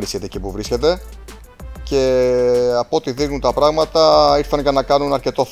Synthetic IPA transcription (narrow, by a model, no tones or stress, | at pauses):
ɾiscet̪ecipuvɾisce̞t̪e̞ | ce̞ | ɐpot̪iðiɣnunt̪ɐpɾɐɣmɐt̪ɐiɾθɐnʝɐnɐkɐnunɐɾce̞t̪o̞f